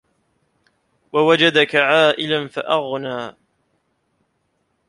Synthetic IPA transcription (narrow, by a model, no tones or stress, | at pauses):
wawad͡ʒad̪akaʕaːʔɪlanfaʔaɣnaː